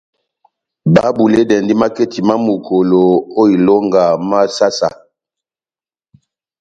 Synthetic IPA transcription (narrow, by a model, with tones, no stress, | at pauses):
ba˦bu˨le˦dɛ˨ndi˦ma˦ke˦ti˨ma˦mu˨kʰo˨lo˨o˦i˨lo˦ŋɡa˨ma˦sa˦sa˨